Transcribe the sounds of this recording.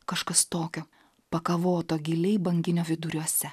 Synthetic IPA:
kɐʃkɐst̪oːkʲo | pɐkɐʋoːt̪oːɡʲɪlʲɛɪbɐŋʲɡʲɪnʲoːʋʲɪd̪ʊɾʲuɔsʲɛ

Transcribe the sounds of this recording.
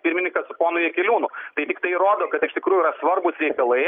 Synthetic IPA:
pʲɪɾʲmʲɪnʲɪŋkɐsʊpoːnʊjɛkʲɛlʲuːnʊt̪ɐɪt̪ʲɪkt̪ɐɪɾoːd̪oːkɐt̪ɪʃt̪ʲɪkɾuːjːɾɐsʋɐrbʊsɾʲɛɪkɐlˠɐɪ

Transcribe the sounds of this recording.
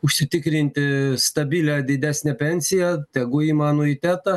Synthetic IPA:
ʊʃʲsʲɪt̪ʲɪkɾʲɪnʲt̪ʲɪst̪ɐbʲiːlʲɛd̪ʲɪd̪ʲæːsʲnʲɛpʲɛnʲsʲɪjɛt̪ʲɛɡʊiːmɑːnoit̪ʲæːt̪ɐ

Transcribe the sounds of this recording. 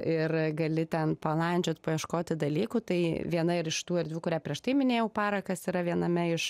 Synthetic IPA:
ɪrɡɐlʲɪt̪ʲɛnpɐlˠɐnʲd͡ʒʲoːt̪pɐiɛʃkoːt̪ʲɪd̪ɐlʲiːkut̪ɐɪʋʲiɛnɐɪɾɪʃt̪uːɪrd̪ʲʋʲɪkʊɾʲæːpʲɾʲiɛʃt̪ɐɪmʲɪnʲeːjɛʊpɑːɾɐkɐsiːɾɐʋʲiɛnɐmʲɛɪʃ

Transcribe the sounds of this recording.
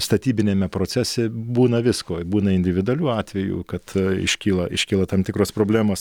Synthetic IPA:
st̪ɐt̪ʲiːbʲɪnʲeːmʲɛpɾoːt͡ssʲæsʲɛbuːnɐʋʲɪskoːbuːnɐɪnʲd̪ʲɪʋʲɪd̪ʊɐlʲuːɑːt̪ʲʋʲɛjṵːkɐt̪ɪ̰ʃʲkʲiːlˠɐʔɪʃʲkʲiːlˠɐt̪ɐmt̪ʲɪkɾoːspɾoːbʲlʲæːmoːs

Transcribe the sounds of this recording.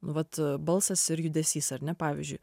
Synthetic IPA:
nʊʋɐt̪bɐlˠsɐsɪɾjʊd̪ʲɛsʲiːsɐɾʲnʲɛpɑːʋʲḭzʲd͡ʒʲʊj

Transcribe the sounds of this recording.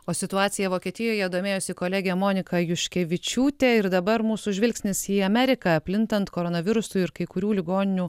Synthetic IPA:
oːsʲɪt̪ʊɑːt̪sʲɪjɛʋoːkʲiɛt̪ʲɪjoːjɛd̪oːmʲeːjoːsʲɪkoːlʲæːɡʲɛmoːnʲɪkɐjʊʃʲkʲɛʋʲɪt͡ʃʲuːt̪ʲeɪɾd̪ɐbɐɾmuːsuʒʲʋʲɪlʲksʲnʲɪsiːɐmʲɛɾʲɪkɐɐpʲlʲɪnt̪ɐnt̪koːɾoːnɐʋʲɪɾʊsʊɪɾkɐɪkʊɾʲuːlʲɪɡoːnʲɪnʲuː

